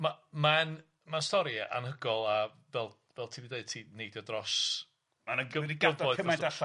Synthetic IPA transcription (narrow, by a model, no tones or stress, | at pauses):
maman | mastɔɾia̰nɦəɡɔlˠa | vɛlˠ | vɛlˠtʰiːviːdneɨd̚tʰineɨdjɔdrɔs | manəɡəiɡəvɔɨdəmɛda